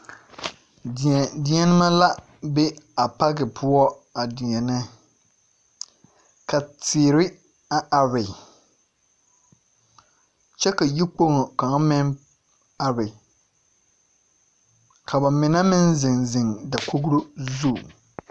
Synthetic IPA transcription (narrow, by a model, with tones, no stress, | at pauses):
dɛ˨dɪ˨˦ɛ˦nɪ˦ma˦la˦ | be˦a˨pa˦ɡɪ˨pʰʊ˦ɔ˦ | a˨dɪ˨ɲɛ˨nɪ˦ | ka˨tɪː˨ɾɪ˦ | a˨ʔa˨ɾɪ˨ | t͡ʃɛ˦ka˨ji˦k͡po˦ŋo˨ka˨ŋ˦mɪ˦n | a˨ɾɪ˨ | kʰa˨ba˨mɪ˨na˦mɪ˦n˦zɪ˨ŋzɪ˨ŋda˨ko˦ɡɾo˦zu˦˨